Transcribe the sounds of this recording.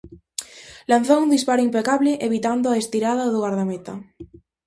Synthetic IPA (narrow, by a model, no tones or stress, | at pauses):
lanθound̪ispaɾoimpekaβleʔeβit̪and̪oaest̪iɾaðaoðuɣaɾðamet̪a